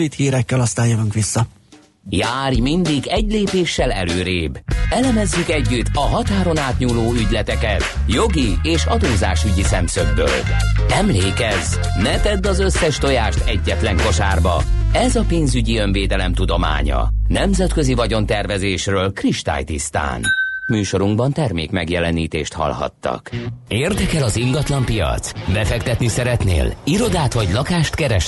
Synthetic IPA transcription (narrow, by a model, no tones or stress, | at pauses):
it̪hiːɾɛkːɛlɒst̪aːnjovuŋkʋisːɒ | jaːrjmind̪iɡɛɟleːpeːʃːɛlɛ̰løːɾeːbɛlɛmɛzːykɛɟːyt̪ːɒɦɒt̪aːɾo̞naːt̪ɲuːloːyɟlɛt̪ɛkɛt̪jo̞ɡieːʃɒd̪oːzaːʃyɟisɛmsøɡbø̰ːlɛmleːkɛz | nɛt̪ɛd̪ːɒzøsːɛʃt̪o̞jaːʃt̪ɛɟːɛt̪lɛŋko̞ʃa̰ːrbɒ̰ɛzɒpeːnzyɟiø̞nveːd̪ɛlɛmt̪ud̪o̞ma̰ːɲɒ̰nɛmzɛt̪køzivɒɟo̞nt̪ɛrvɛzeːʃrøːlkriʃt̪a̰ːjt̪ist̪a̰ːnmyːʃo̞ɾuŋɡbɒnt̪ɛrmeːkmɛɡjɛlɛniːt̪eːʃt̪hɒ̰lhɒ̰t̪ːɒ̰keːrd̪ɛkɛlɒziŋɡɒt̪lɒmpijɒ̰t̪sbɛfɛkt̪ɛt̪nisɛɾɛt̪nḛːliɾo̞d̪aːt̪hoɟlɒkaːʃt̪kɛɾɛʃ